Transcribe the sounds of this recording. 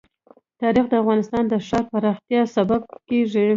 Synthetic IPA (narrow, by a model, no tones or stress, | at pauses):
t̪ɑɾixd̪əafɣɑnɪst̪ɑnd̪əʂɑɾpaɾɑxt̪jɑsabab̚keʐi